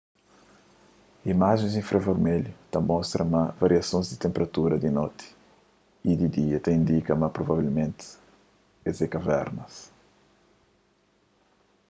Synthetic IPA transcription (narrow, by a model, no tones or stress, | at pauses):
imaʒẽzĩfɾɐveɾmɛlut̪ɐmɔst̪ɾɐmɐvɐɾiɐsõzd̪it̪ẽmpeɾɐt̪uɾɐd̪inot̪i̥ | id̪id̪iɐt̪aĩnd̪ikɐmɐpɾovavilmẽnt̪ | ezekɐvɛ̰ɾnɐs